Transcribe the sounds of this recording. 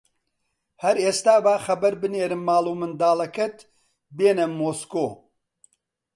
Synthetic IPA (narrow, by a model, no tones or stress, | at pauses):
hɐɾeːst̪aːbaːxɐbɐɾbɨneːɾɨmːaːlˠuːmɨnd̪aːlɐkɐt̪ | beːnɐmːoːskoː